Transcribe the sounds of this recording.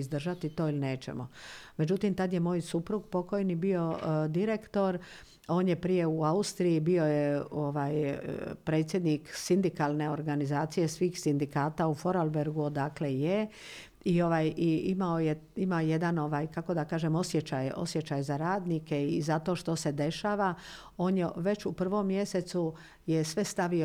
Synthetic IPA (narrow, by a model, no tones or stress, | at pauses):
izd̪r̩ʒat̪it̪o̞ːilneːt͡ʃḛmome̞d͡ʒut̪imt̪ad̪je̞moːjsupɾuɡpo̞ko̞jnibio̞d̪iɾe̞kt̪o̞ɾ | o̞ːnjepɾije̞uaust̪ɾijibio̞jeoʋaːjpɾe̞t̪sje̞d̪niksind̪ikalˠne̞o̞ɾɡanizaːt̪sije̞sʋiːxsind̪ikaːt̪aufo̞ɾalbeɾɡuod̪akleje | io̞ʋaːjiimaojeimaojed̪ano̞ʋaːjkako̞d̪akaːʒemo̞sjet͡ʃajo̞̰sje̞t͡ʃajzaɾaːd̪nike̞iizat̪o̞ʃt̪o̞se̞d̪e̞ʃaːʋa | o̞ːnjeʋe̞t͡ʃupr̩ʋo̞mːje̞set̪su | jesʋe̞st̪aʋio